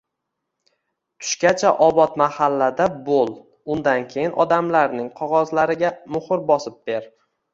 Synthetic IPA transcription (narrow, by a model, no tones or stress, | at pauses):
t̪ʰʊ̥ʃkʲat͡ʃʰaʔɒbɒt̪mahalːad̪abolˠ | ʊnd̪ankʲʰe̞jɪnʔɒd̪amlaɾnɪŋqʰɒʁɒzlaɾɪɡʲamʊhʊɾbɒsɪp̚be̞ɾ